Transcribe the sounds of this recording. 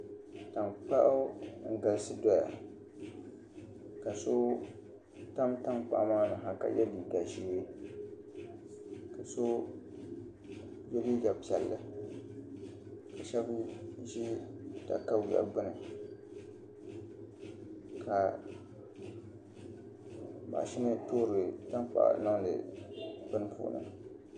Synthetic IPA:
ta˨mk͡pa̰˦ʔʊ˦ŋ̩˦ɡa˨lsɨ˦dɔ˦ja̰˨ | ka˨so˦ | ta˦mta˦ŋk͡pa̰˨ʔmaː˦˨nɨ˨ɦa˨ka̰˨jɛ˦bi˨da˨ʒiː˦e˦ | ka˨so˦ | jɛ˦bi˦ɡa˨pi˨ɛ˨lːɨ˦ | ka˨ʃɛ˦bʒi˦ta̰˨ka˦˨ja̰˨˦ɡ͡bɨ˦nɨ˨ | ka˨ | ba̰˨ʔʃɪ˦nɨ˦to˦ɾɨ˨ta˦mk͡pa̰˨ʔna˦ŋdɨ̰˨bɨ˦nɨ˦pṵ˨ʔnɨ̰˨

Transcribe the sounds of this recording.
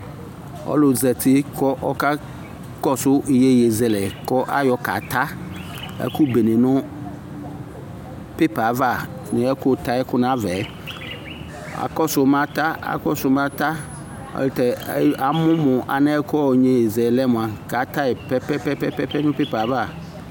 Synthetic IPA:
ɔ̰˦lʊ˨zɛ˨t̪ʰɪ˦kɔ˦ʔɔ˦ka˦ | kɔ˦sʊ˦˨je˦je˨zɛ˨lɛ˨kɔ˦ʔa˦jɔ˨ka̰˨t̪a˦ | ɛ̰˦kʊ˦be˨nɪ̃˨nʊ̃˦ | pe˦pa˨˦va˦˨ | nɪ̃˨ɛ˦kʊ˦˨t̪a˦ɛ˦kʊ˦nã˦vɛ˨˦ | a̰˨kɔ˦sʊ˨˦m˦ã˦t̪a˦a̰˨kɔ˦sʊ˨˦mã˦t̪a˦ | ɔ̰˦lɪ˦t̪ɛ˨˦a˨mʊ̃˦mʊ̃˨ʔa̰˨nɛ˦kʊ˦ɔ˦˨ɲẽ˨je˨zɛ˨lɛ˦mʊ̃˨a˨ka˨t̪a˦ɛ˨pɛ˦pɛ˦pɛ˦pɛ˦pɛ˦pɛ˦nʊ̃˦pe˦pa˨˦va˦˨

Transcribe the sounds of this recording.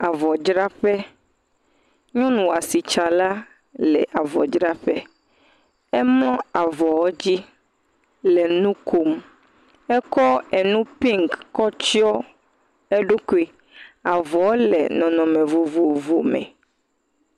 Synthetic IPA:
a˨vɔ˨d͡ʒɾa˦ɸɛ˦ | ɲɔ̃˦nũ˨wa˨si˨t͡ʃa˨la˦ | lɛ˨ʔa˨vɔ̰˨d͡ʒɾa˦ɸɛ˦ | ɛ˦ml̃ɔ̃˦a˨vɔ˨wɔ˦d͡ʑi˦ | lɛ˨nũ˦kʰo˨m | ɛ˦kɔ˦ɛ˨nũ˦pĩ˦ŋkːɔ˦t͡ɕi˦ɔ˦ | ɛ˦ɖu˦ku˦i˨ | a˨vɔ˨wɔ˦lɛ̰˨nɔ̃˨nɔ̃˨mẽ˨vu˨vu˨vu˨mɛ̰̃˨

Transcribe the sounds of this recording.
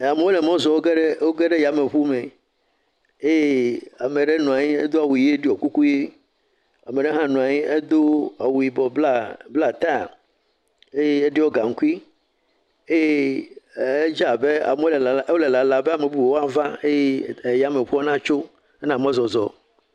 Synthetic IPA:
a˨me˨˦wo˦le˨mɔ̃˦zɔ˨wo˦ɡe˦ɖe˦wo˦ɡe˦ɖe˦ja˨me˨ɸu˦me˨ | e˦je˦a˨me˨ɖe˦nũ˨a˨ɲi˦ḛ˦d̪o˦a˨wu˨i˨˦e˦ɖi˦ɔ˨ku˦ku˦je˦ | a˨me˨ɖe˦ɦã˦nũ˨a˨ɲi˦e˦d̪o˦a˨wu˨i˨bɔ˨ba˦˨bla˨t̪a˦˨ | e˦je˦e˦ɖe˦wo˦ɡa˨ŋ̩˦ku˦i˦ | e˦je˦ | e˦d͡ʒa˦˨be˦a̰˨me˨wo˦lɛ˨la˨˦wo˦le˨la˨la˨be˦a˨me˨bu˦˨wwo˦a˦vã˦e˦je˦˨ja˨me˨ɸu˦ɔ˦nã˦t͡ʃo˦ | ɛ˦nã˨m˦ɔ̃˦zɔ˨zɔ˨

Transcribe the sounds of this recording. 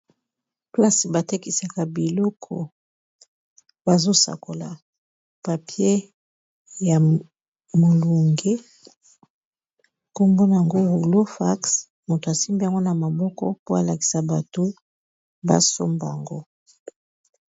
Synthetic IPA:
pla˦si˨ba˨te˦ki˨sa˨ka˨bi˨lɔ˦kʰɔ̰˨ | ba˨zo˦sa̰˨ko˨la˨ | pa˨pje˦ | ja˨ | mo˨lu˨ŋɡe˦ | ko˦mbo˦na˨ja˨ŋɡo˦ɣu˨ɡlo˦fa˦ks | mo˨to˨a˨si˦mbi˦a˨ŋɡo˦na˨ma˨bɔ˦kɔ̰˦po˦a˨la˨ki̥˨sa˨ba˨to˨ | ba̰˦so̰˦mba˨a˨ŋɡo˦

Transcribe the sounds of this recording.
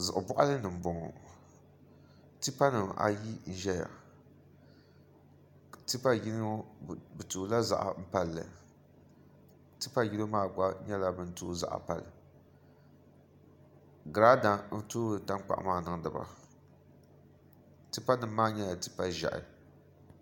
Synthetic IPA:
zɨ˨ʔʊ˨bʊ˦ʔa˦lɨ˦nɨ˨m̩˨bʊ˨ŋɔ̰˨ | ti˦pa˦nɨ˨ma̰˨ji˦n̩˦ʒɛ˦ja̰˨ | ti˦pa˦ji˦lbɨ˨tu˨˦la˦za̰˨ʔa̰˨m̩˦pa˨lːɨ̰˨ | ti˦pa˦ji˦lo˦maː˦˨ɡ͡ba˦ɲɛ˦la˦bɨ˦n̩˦tuː˦za̰˨ʔa̰˨pa˨lɨ̰˨ | ɡɾa˦da˨n̩˦toː˦˨ta˦ŋ˦k͡pa̰˨ʔmaː˦˨nɨ˨ŋ˦dɨ˨ba̰˨ | ti˦pa˦nɨ˨mː˦aː˦ɲɛ˦ja˨ti̥˦pa˦ʒa̰˨ʔɪ̰˨

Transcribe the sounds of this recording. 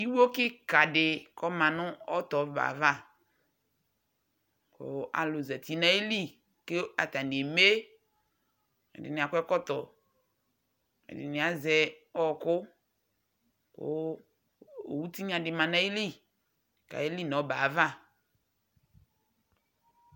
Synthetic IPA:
i˦wo˦kɪ˦ka˨dɪ˨kɔ˦mã˨nʊ̃˦ɔ˦t̪ɔ˨ba̰˨˦va˦˨ | kʊ̰˦a̰˨lʊ˨zɛ˨t̪i˨˦nã˦e˦li˦ | ke˦a̰˨t̪a˨ni˨e˨me˦ | ɛ̰˨dɪ̰˨nɪ̃˨a˨kʷɛ˦kɔ˦t̪ɔ˨ | ɛ̰˨dɪ̰˨nɪ̃˨a˨zɛ˨ɔ˦kʊ˦ | kʊ̰˦ | o˨wu˦t̪i˦ɲã˨dɪ˨mã˨nã˦i˦li˦ | ka̰˨e˦li˦nɔ̃˨˦ba˨˦va˦˨

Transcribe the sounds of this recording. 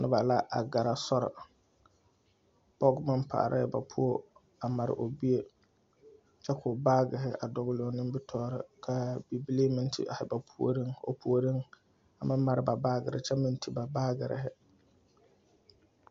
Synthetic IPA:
nɪ˦ba˨la˦ʔa̰˨ɡa˨ɾa˨sɔ˦ɾɪ̰˨ | pɔ˦ɡma˦mpʰa̰˨ɾʔa˦ɛ˨ba˨pʰu˦o˦ | a˨ma˨ɾɪ̰˨ʔo˨bi˦e˦ | t͡ʃɛ˦kʰʊ˨baː˦ɡɪ˨ɦɪ˦ʔa̰˨dɔ˨ɣlɪ˨o˨nɪ˦mbɪ˦tʰɔː˦ɾɪ˦kʰa˦bi˨bi˦li˦mɪ˦ntʰḭ˦ʔa˨hɪ˨ba˨pʰu˦o̰˦ɾi˦ŋo̰˨pu˨o˨ɾi˦ŋ | a˨ma˦mːa˨ɾɪ˨ba˨baː˦ɡɪ˨ɾɪ̰˨t͡ʃɛ˦mɪ̃˦ntʰi˦ba˨baː˦ɡɪ˨ɾɪ̰˨ɦɪ˦

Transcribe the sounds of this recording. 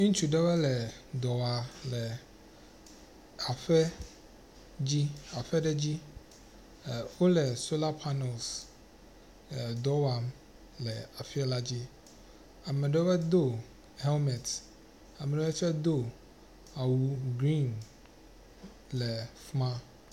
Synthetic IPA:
nũ˦t͡ʃu˨ɖɛ˦wɛ˦lɛ˨d̪ɔ˨wa˨lɛ˨ | a˨fɛ˦ | d͡ʑi˦a˨fɛ˦ɖɛ˦d͡ʑi˦˨ | wo˦lɛ˨so˦la˦pʰa˦nɛ˨ls | d̪ɔ˦wa˨m | lɛ˨a˨fi˦a˦la˦d͡ʑi˦ | a˨mɛ˨ɖɛ˦bɛ˦d̪o˦˨ | hɛ˦lmɛ˨t̪ | a˨mɛ˨ɖɛ˦ɛ˦t͡ʃɛ˦d̪o˦ | a˨wu˨ɡɾi˦˨n | lɛ˨fmã˦

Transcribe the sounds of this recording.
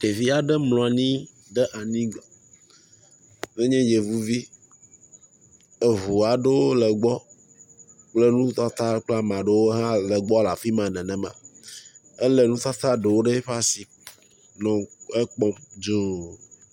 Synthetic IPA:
te˨vi˦a˨ɖɛ˦mlɔ̃˨a˨nĩ˦ | ɖɛ˦ʔa˨nĩ˦ɡ | ve˦ɲɛ̃˦je˨vu˦vi˦ | e˨vu˨a˨ɖe˦wo˦lɛ˨ɡ͡bɔ˦ | k͡ple˦nũ˦t̪a˦t̪a˦k͡pla˦mã˨ɖe˦wo˦ɦã˦lɛ˨ɡ͡bɔ˦la˨fi˦mã˨nɛ̃˨nɛ̃˨mã̰˨ | e˦lɛ˨nũ˦t̪a˦t̪a˦ɖe˨wo˦ɖe˦ɸa˦si˨ | nɔ̃˨e˦k͡pɔ˦md͡ʒo˦

